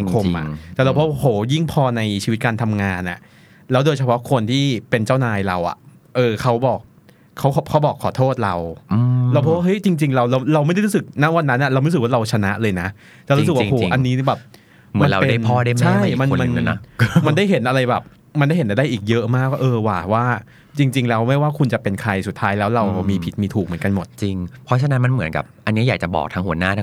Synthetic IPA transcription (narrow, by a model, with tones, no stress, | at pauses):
a˨˦kʰo˧mʔa̰˩t̪ɛː˨˩ɾa˧wpʰhoː˨˩˦ji˥˩ŋpʰɔː˧na˧jt͡ɕʰiː˧wi˦˥kaː˧nt̪ʰa˧mŋaː˧nʔa̰˨˩ʔ | lɛː˦˥wdoː˧jt͡ɕʰa˧pʰɔ˦˥kʰo˧nt̪ʰiː˥˩pe˧nt͡ɕaː˥˩wnaː˧jɾa˧wʔa̰˨˩ | ʔɤː˧kʰa˦˥wbɔː˨˩k̚ʰː | a˦˥wkʰːkʰa˦˥wbɔː˨˩kʰːɔː˨˩˦t̪ʰoː˥˩t̪̚ɾa˧wlaː˧wpʰo˦˥˦wa˥˩ɤ˦˥jt͡ɕi˧ŋt͡ɕi˧ŋɾa˧wɾa˧wɾa˧wm˥˩jda˥˩ɾu˦˥sɯ˨˩k̚na˦˥wa˧nːa˦˥nʔa˨˩ɾwm˦˥˦sɯ˨˩k̚waː˥ɾa˧wt͡ɕʰa˧na˦˥ʔlɤː˧jna˦˥ʔ | t͡ɕa˨˩ɾu˦sɯ˨˩kwhoː˩˦ʔa˧nːiː˦˥bɛː˨˩p̚ | mɯ˨˦ma˧˦nɾa˧wpe˧daː˥˩pʰɔː˥˩da˥˩jt͡ɕʰa˥˩jma˧n˧ma˧n̰˦ma˧ndaː˥˩jɦe˩˦nʔa˧ɾa˧jbɛː˨˩p̚ | ma˧nda˥˩jɦe˨˦ʔa˧˩daː˥˩jʔiː˨˩k̚jɤ˦˥ʔmaː˥˩k̚waː˥˩ʔɤː˧waː˨˩waː˥˩ | t͡ɕi˧ŋt͡ɕi˧ŋlɛː˦˥wma˥˩jwaː˥˩kʰu˧nt͡ɕa˨˩pe˧nkʰɾa˧jsu˨˩t̪ʰːaː˦˥jlɛː˦˥wɾa˧wmiː˧pʰi˨˩t̪̚miː˧t̪ʰuː˨˩k̚mɯ˩˦nka˧nmo˨˩t̪̚t͡ɕi˧ŋpʰɾɔ˦˥t͡ɕʰa˧na˦˥nma˧nmɯ˨˩˦nka̰˨˩p̚ʔa˧nːi˦˥jaː˨˩k̚t͡ɕa˨˩bɔ̰ː˨˩k̚t̪ʰa˦˥ŋhu˩˦ɐnaː˥˩˦